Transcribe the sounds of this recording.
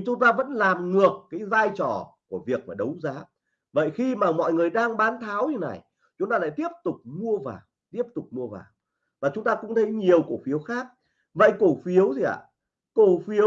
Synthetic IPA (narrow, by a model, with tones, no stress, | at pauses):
t͡ɕʊ˨˦ŋ͡mt̪aː˧və̰˧˥nlaː˨˩mŋɨ˨˩əkːaː˨˦jzaː˧jt͡ɕɔ̰˧˩ku˧˩əvi˨˩ək̚maː˨˩ɗə˨˦wzaː˨˦ | və̰˧˨jxi˧maː˨˩mɔ̰˧˨jŋɨ˨˩əjɗaː˧ŋɓaː˨˦nt̪ʰaː˨˦wɲɨ˧na˨˩j | t͡ɕʊ˨˦ŋ͡mt̪aː˧la̰ː˧˨t̪i˦˥əp̚t̪ʊ˨˩k͡p̚mu˧əvaː˨˩w | t̪i˦˥əp̚t̪ʊ˨˩k͡p̚mu˧əva̰ː˨˩m | vaː˨˩t͡ɕʊ˨˦ŋ͡mt̪aː˧kʊ̰˧˥ŋ͡mt̪ʰə˨˦jɲi˨˩əwko˧˩fi˨˦əwxaː˦˥k̚ | və̰˧˨jko˧˩fi˨˦əwt̪ʰi˨˩ʔa̰ː˧˨˩ | ko˧˩fi˨˦əw